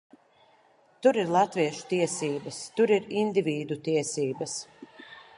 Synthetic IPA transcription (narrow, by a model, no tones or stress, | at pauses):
t̪uɾiɾlˠat̪viɛʃu̥t̪iɛsiːbɐst̪uɾiɾind̪ivʲiːd̪ut̪iɛsiːbɐs